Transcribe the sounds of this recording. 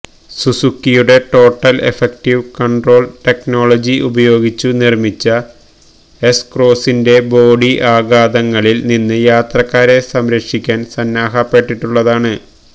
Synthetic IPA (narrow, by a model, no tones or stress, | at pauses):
susukːijuɽe̞ʈo̞ːʈːɐlḛfek̚ʈiʋkɐɳɖro̞ːlʈe̞kno̞ːɭɐd͡ʑiʔubɐjo̞ːɡit͡ɕːunirmit͡ɕːɐ | eskro̞ːsinde̞bo̞ːɽiʔaːɡaːd̪ɐŋːɐɭilninːɨjaːt̪rɐkːaːɾe̞sɐmɾɐkʂikʲːaːnsɐnːaːɦɐpːe̞ʈːiʈːuɭːɐðaːɳɨ